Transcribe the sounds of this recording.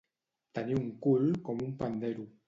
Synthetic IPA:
t̪aniuŋ̩kulkɔmumpad̪aɾu

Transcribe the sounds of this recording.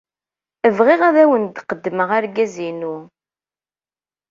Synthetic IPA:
əvʁiʁæðæwənd̪qəd̪ːməʁæɾɡæzinu

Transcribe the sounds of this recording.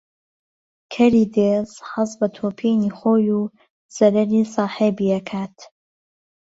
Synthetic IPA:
kʰɐɾiːd̪eːzhɨzbɐt̪ʰoːpʰiːniːxoːjuː | z̥ɐɾɐɾisɑːħeːbiːɐkʰaːt̪

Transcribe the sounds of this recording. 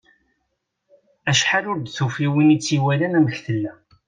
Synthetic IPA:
æʃħalʊɾd̪θufiwinit͡sːiwælænæməçθəlːæ

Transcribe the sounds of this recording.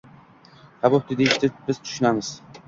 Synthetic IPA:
habop̚d̪ɪd̪eɪʃt̪ʰɪbɪz̥t̪ʰʊ̥ʃʊnamɪz̥

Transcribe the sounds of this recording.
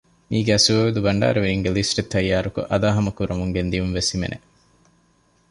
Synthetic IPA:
miːɡæːsuʋɐʋed̪ubɐɳɖa̰ːɾeʋiɾiŋɡelisʈet̪ʰːɐjːaːɾukṵʔɐd̪aːɦɐmɐkuɾɐmuŋɡend̪ijumʋesimḛnʔḛ

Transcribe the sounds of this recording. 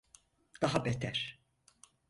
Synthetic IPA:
d̪̥aɦabɛt̪ʰæɾ̥

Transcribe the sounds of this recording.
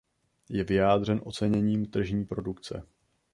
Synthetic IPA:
jɛvɪjaːd̪r̝ɛnʔo̞t͡sɛɲɛɲiːmt̪r̩ʒɲiːpɾo̞dukt͡sɛ̰

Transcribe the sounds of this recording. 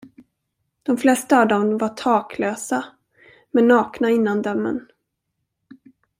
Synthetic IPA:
d̪̥ɔmflɛst̪aːvd̪ɔmvaʈʰɑːkʰløːsa | mɛnːɑːknaɪnːand̪œmːə̰n

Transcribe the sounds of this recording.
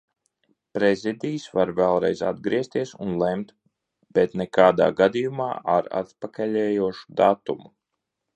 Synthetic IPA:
pɾɛzid̪iːsvaɾvɛlˠɾɛ̰jza̰d̪̚ɡɾiɛst̪iɛsunlˠɛmt̪ | b̥ɛt̪nɛkaːd̪a̰ːɡad̪ijuma̰ːʔaɾa̰t̪pakaʎɛːjuɔʃu̥d̪at̪umu

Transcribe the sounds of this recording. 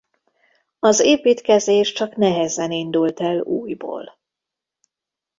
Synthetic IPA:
ɒzeːpiːt̪kɛzeːʃt͡ʃɒknɛɦɛzɛnind̪ult̪ɛluːjbo̰ːl

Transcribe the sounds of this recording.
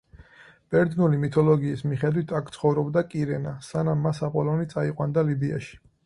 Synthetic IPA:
b̥ɛɾd̪nulimit̪ʰɔlɔɡiːsmiχɛd̪wit̪ʰakʰt̪sʰχɔvɾɔbd̪akʼiɾɛnasanamːasapʼɔlɔnit̪sʼaiqʼwand̪alibia̰ʃi̥

